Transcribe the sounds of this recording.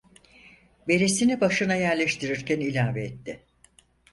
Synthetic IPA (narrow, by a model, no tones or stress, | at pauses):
be̞ɾesinibaʃɯnajæɾlʲeʃt̪ʰiɾiɾcʰænilʲaːveɛt̪ʰːɪ